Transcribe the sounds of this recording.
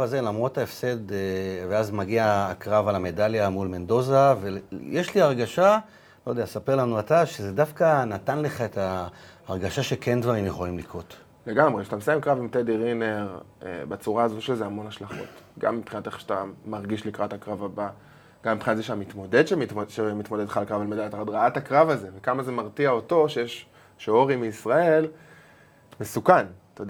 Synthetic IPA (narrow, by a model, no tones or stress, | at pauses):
aze̞lamʁo̞taefse̞d̪veazmaɡiaːkʁavalame̞daljamulme̞nd̪o̞zavejeʃliaʁɡaʃa | lojd̪easapeʁlanuat̪aʃezedafkanatanle̞χae̞taːʁɡaʃaʃekʰe̞ndvaʁimjeχo̞limlikʁo̞t̪ | leɡamʁeʃt̪amsaimkʁavimt̪ediʁineʁ | ḛbat͡suʁaːzoʃezeamo̞naʃlaχo̞̰t̪ɡa̰mːipχinat̪eχʃe̥tamaʁɡiʃlikʁatakʁavaba | ɡ̥amːipχinat̪zeʃeamit̪mo̞dedʃemiʃemit̪mo̞d̪ed̪χalkʁavalmedaat̪ad̪ʁaatakʁavaze̞vekamaze̞maʁtiao̞to̞ʃejeʃ | ʃoʁimeisʁae̞l | mesukant̪ajod